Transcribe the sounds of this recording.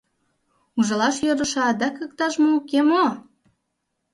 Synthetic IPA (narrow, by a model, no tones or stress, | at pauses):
uʒɤ̆lɑʃjøɾə̆ʃɑd̪ɑkək̚t̪ɑʃmoukemo